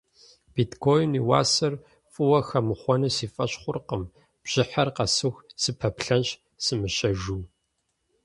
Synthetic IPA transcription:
b̥itkʰoːjniwa̰ːsɐr | fʼɨwɐxɐmɨχʷɔnɨsiːfʼɐɕχʷʊrqəm | b̥ʒ̥ɪħɐrqɐsɨxsɨpʰɐpɬɐnɕ | sɨmɨɕʼɐʒuː

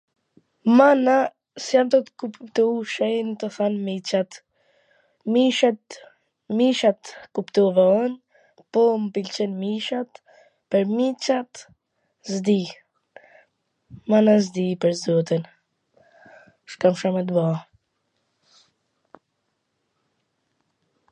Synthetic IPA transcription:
mana | sjamt̪ɔt̪kupt̪uʃɛjnt̪əθanmit͡ʃat̪ | miʃa | miʃat̪kupt̪uvɛɔn | pɔmpilt͡ʃɛnmiʃat̪ | pəɾmit͡ʃat̪ | zd̪i | manazd̪ipəɾzdɔt̪in | ʃkamʃɔmɛt̪ba

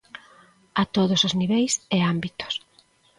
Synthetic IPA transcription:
at̪oðosozniβejseambit̪o̥s

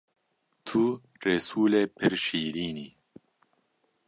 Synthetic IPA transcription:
t̪ʰu | reːsuːleːpʰɪɾʃiːɾiːniː

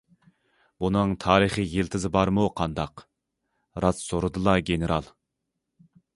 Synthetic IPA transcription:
bunɨŋt̪ʰɑːɾɨχijelt̪ʰɪzɪbɑɾmuqʰɑnd̪ɑq | ɾɑt̪soɾɨd̪ɨlˠɑɡʲeneɾɑlˠ

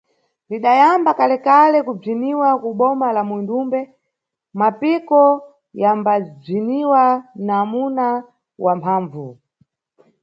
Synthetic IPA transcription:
liɗajambakalɛkalɛkub͡ʐiniwakuɓɔmalamwindumbɛ | mapikɔ | jambab͡ʐiniwanamuna | wʔampʰaːɱvu

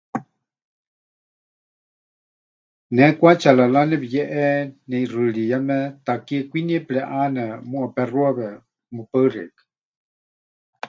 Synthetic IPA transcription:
nɛkʷat͡ʃalalanɛβijɛʔɛnɛirɨɺijamɛt̪akikʷiniɛplɛʔanɛmũapɛruaβɛ | mupəɨrɛ̰kḁ

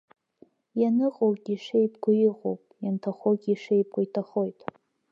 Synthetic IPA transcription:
janɨqʼowɡʲʼiʂejpʰʼɡʷʊjiqʼo̰wpʼjantʰaχoɡʲiʂejp̚ɡʷʼaitʰaχo̞jtʼ

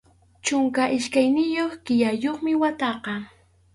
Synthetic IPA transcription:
t͡ʃʊŋkaʔɪʃkajnɪjoχkɪjajoχmɪwat̪ɑqɑ

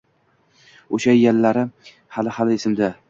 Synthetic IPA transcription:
oʃajalːaɾɪ | halɪhalɪːsɪmd̪a

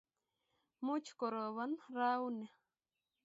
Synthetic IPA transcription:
mut͡ʃkoɾoβanɾaune

